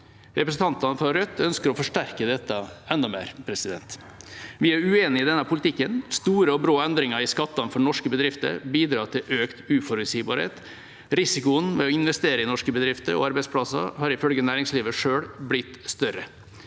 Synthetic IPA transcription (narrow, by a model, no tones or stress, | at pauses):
ɾɛpɾəsn̩t̪ɑnt̪ɑnəfɾɔɾœt̪ʰːœnskəɾɔfɔʂʈæɾkəd̪ɛt̪ːɑɛnd̪ɑmæɾpʰɾɛsɪd̪ɛ̰nt̪ | ʋɪæɾʉeːnɪɪd̪ɛnːəpʰʊlɪt̪ʰɪkːənst̪uːɾəɔbɾoːɛnd̪ɾɪŋɑɾɪskɑt̪ːɑnfɔɳɔʂkəbəd̪ɾɪft̪ə̰ɾbiːd̪ɾɑːʈ̪ʰɪlʔøːkt̪ʉːfɔɾʉsiːbɑ̰ːɾhḛːt̪ | ɾɪsɪkʊənʋɛ̰ɔɪnʋɛst̪eːɾəɪnɔʂkəbəd̪ɾɪft̪əɾɔ̰ɑɾbɛɪspʰlɑsɑ̰hɑːɾɪfœlɡənæːɾɪŋsliːʋəʂøːɽblɪt̪ːst̪œɾə